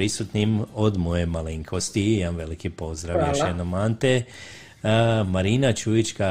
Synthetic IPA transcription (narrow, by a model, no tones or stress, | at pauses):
ɾisut̪nimo̞d̪mo̞jemaliŋkʰo̞st̪iimamʋe̞likipo̞zd̪ɾaʋjeʃenamant̪e | maɾinat͡ʃuit͡ʃka